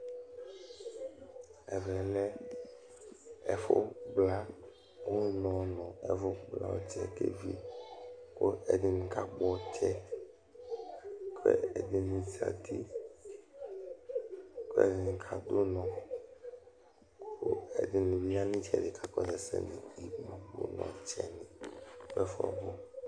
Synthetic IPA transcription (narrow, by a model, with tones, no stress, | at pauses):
ɛ˨vɛ˨lɛ˦ | ɛ̰˨fo̰˦ɡ͡bla˦ | wo˦nɔ̃˨nɔ̃˨ɛ˨vo˦ɡ͡bla̰˦wo̰˦t͡ʃɛ˦kḛ˦vḭ˦ | ko˦ḛ˨di˨nũ˨ka˦k͡pɔ˨t͡ʃɛ˦ | kʰḛ˦e˨di˨nũ˨zi˨a̰˨t̪i˦ | ko˦ɛ˨di˨ŋ̩˨kʰa˨d̪o˦nɔ̃˨ | ko˦ḛ˨di˨nũ˨vi˦ja˦nĩ˦t͡ʃɛ˨de˨kʰa˦kɔ˦zɛ˨sɛ̰˦˨nĩ˨i˨bu˦wo̰˦nɔ̰̃˨t͡ʃɛ˦nĩ˨kɛ˦fɔ̰˦˨vo˦